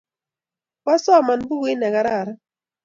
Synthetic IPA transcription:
wa˦sɔ˦˨ma˨nbu˦ɡi˦nɛ˨ka˨ɾa˦˨ɾa˦

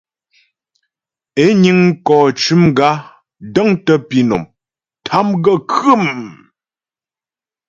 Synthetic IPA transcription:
e˦ɲi˦ŋ˦kɔː˨t͡ʃʉ˨˦mɡa˦ | də˦ŋtə˦pi˨no̰˨m | tʰa˨˦mɡə˦kʉ˦˨m

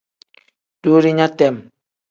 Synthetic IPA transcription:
d̥oː˦ɾi˦ɲa˦tɛ˨m

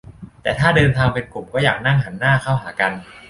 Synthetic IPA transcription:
t̪ɛː˨˩t̪ʰaː˥˩dɤː˧nt̪ʰaː˧ŋpe˧nklu˨˩mkɔː˥˩jaː˨˩k̚na˥˩ŋɦaː˩˦nːaː˥˩kʰa˥˩wɦaː˩˦ka˧n

